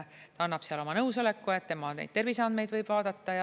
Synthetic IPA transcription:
t̪ɑɑnːɑb̥seɑlo̞mɑnɤwso̞le̞kːue̞t̪ːe̞mɑnḛjd̪̥t̪e̞rviseɑnd̪̚me̞jd̪vɤjb̥vɑːd̪̥ɑt̪ːɑjɑ

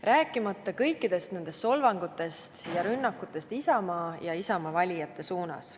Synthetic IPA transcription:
ræːkːˑimɑt̪ːˑɑkɤ̞jkːˑid̪̥e̞st̪ne̞nd̪̥e̞st̪ːo̞lvɑŋɡ̥ut̪ːˑe̞st̪jɑɾynːɑkːˑut̪ˑːe̞st̪isɑmɑjɑisɑmɑvɑlʲijɑt̪ːˑe̞suːnɑ̰s

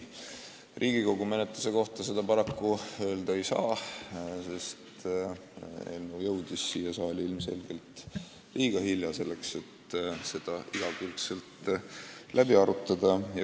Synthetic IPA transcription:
rʔiːɡiko̞ɡ̥ume̞net̪luse̞ko̞ht̪ɑse̞d̪̥ɑpɑɾɑkːuø̞ːld̪ɑe̞jsɑ̰ː | se̞st̪ | ḛlːujɤ̞wd̪̥isːiːjesɑːlʲilmse̞̰lɡ̥e̞lt̪ˑ | lʔiːɡ̥ɑhiljɑse̞lːe̞kse̞t̪se̞d̪̥ɑʔiɡ̥ɑkylt̪se̞lt̪ | lʔæbiɑɾut̪ˑːɑd̪̥ɑjɑ

